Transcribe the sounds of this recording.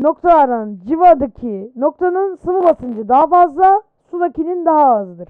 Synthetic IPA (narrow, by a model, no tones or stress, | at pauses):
no̞k̚t̪ʰalˠaɾand͡ʒivad̪ɯkʰinok̚t̪ʰanɯnsɯvɯbasɯnd͡ʒɯd̪aɦafazlˠa | sud̪ˠakinind̪aɦaːzɯd̪ɯɾ̥